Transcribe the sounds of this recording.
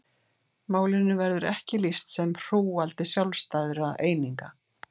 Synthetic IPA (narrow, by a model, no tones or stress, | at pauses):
maːwlɪnːʏvɛɾðʏɾɛhcɪlist̪sɛmr̥uːalt̪ɪsjawlst̪ajðʏɾaeːjniŋka